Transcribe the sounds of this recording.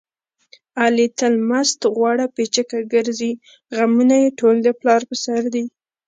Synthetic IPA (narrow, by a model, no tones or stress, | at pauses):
ɑlit̪əlmast̪ɣwɑɽapet͡ʃəkaɡəɾzi | ɣamunajeʈold̪əplɑɾpəsaɾd̪i